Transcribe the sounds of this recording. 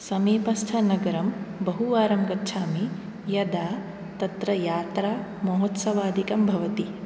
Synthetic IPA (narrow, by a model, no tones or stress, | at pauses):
sɐmiːpɐst̪ʰɐnɐɡɐɾɐmbɐɦuʋaːɾɐmɡɐtːʃʰaːmi | jɐd̪aː | t̪ɐt̪ɾɐjaːt̪ɾaː | mɐɦot̪sɐʋaːd̪ʱikɐmbʱɐʋɐt̪i